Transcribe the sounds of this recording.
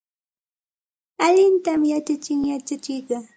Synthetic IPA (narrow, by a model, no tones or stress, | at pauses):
aʎɪnt̪amjat͡ʃat͡ʃɪŋjat͡ʃat͡ʃɪjɢɑ